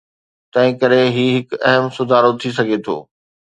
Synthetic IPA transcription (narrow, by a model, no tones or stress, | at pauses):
t̪ɐ̃ɦɪ̃kɐɾeɦiːɦɪkɛɦəmsʊd̪ʱaːɾot̪ʰisɐɡʱet̪ʰo̰ː